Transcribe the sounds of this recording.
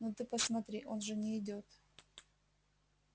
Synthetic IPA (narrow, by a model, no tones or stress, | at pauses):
not̪ɨpəsmɐt̪ɾʲiʔo̞nʐɨnʲɪːdʲot̪